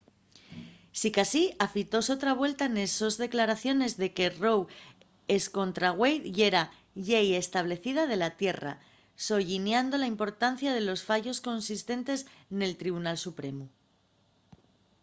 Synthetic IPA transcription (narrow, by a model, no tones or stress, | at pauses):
sikasiafit̪o̞so̞t̪ɾaβ̞we̞lt̪aneso̞zðe̞klaɾaθjo̞ne̞zðe̞ke̞ro̞w | esko̞nt̪ɾaɣwe̞jðʝeɾa | ʝeje̞st̪aβ̞le̞θið̞að̞e̞lat̪je̞ra̰ | so̞ʝinjand̪o̞laimpo̞ɾt̪an̟θjaðe̞lo̞sfaʝo̞sko̞nsist̪e̞nt̪e̞sne̞lt̪ɾiβ̞unalsupɾe̞mu